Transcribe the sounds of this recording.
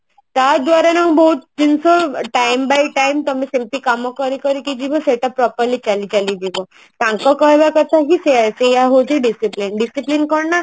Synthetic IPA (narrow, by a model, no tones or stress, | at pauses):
t̪aɾd̪ʋaɾanɔbɔɦut̪̚d͡ʒinsɔʈajmbajʈajmt̪ɔmisimplikamɔkɔɾikɔɾikid͡ʒibɔseʈapɾɔpəɾlit͡ʃalit͡ʃalid͡ʒibɔ | t̪ãŋkɔkɔɦebakɔt̪ʰakisesejaɦod͡ʒeɖisiplinɖisiplinkɔɾna